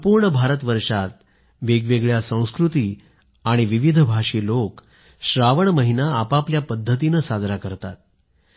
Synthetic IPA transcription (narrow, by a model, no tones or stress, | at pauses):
əpuːɾɳəbʱaɾət̪ʋəɾʂat̪̚ | ʋeɡʋeɡɭjasə̃w̃skɾut̪iː | aɽ̃iʋiʋid̪ʱbʱaʂiːlok | ɕɾaʋəɳməɦinaːpapljapəd̪ʱːət̪̬inəsad͡z̪ʱɾakəɾt̪at̪̚